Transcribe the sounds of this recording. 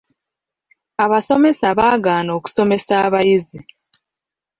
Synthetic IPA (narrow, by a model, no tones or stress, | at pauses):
aβaso̞me̞saβaːɡaːnoːku̥so̞me̞saːβajizi